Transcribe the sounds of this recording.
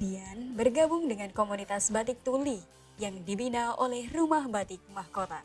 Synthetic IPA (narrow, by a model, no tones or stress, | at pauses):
dianbərɡabʊŋdəŋankomunit̪asbat̪ɪk̚t̪uli | jaŋdibinaolɛhrumahbat̪ɪk̚mahkot̪a